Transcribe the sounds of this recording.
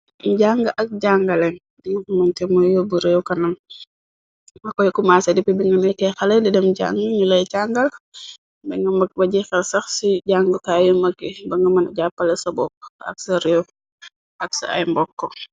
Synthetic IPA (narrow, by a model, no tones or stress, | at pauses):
ɟaŋɡɐʔɐk̚ɟaŋɡɐlɛn | dŋɐkmɐntɛmɔjɔbuɾewkɐnɐm | mɐkɔjkumaːsɐdipibiŋɡɐnɛkɛxɐlɛdɛdɛmɟa̰ŋɡiɲulɐjcaŋɡɐl | bɛŋɐmɐbɐɟixɐlsɐxsiɟaŋɡutajɔmɐkːibɐŋɡɐmɐnɟapːɐlɐsɐbɔk̚ɐ̰k̚sɐɾew | ʔɐksɐ̰ɐ̰jmbɔkːɔ